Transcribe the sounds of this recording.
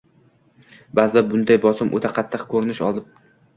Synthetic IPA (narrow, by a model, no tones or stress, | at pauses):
bazɪd̪abʊnd̪ajbɒsɪmʔo̰t̪ʰaqʰɑt̪ʰːɨqkʰɵɾɪnɪʃɒ̰lˠd̪ɪp̚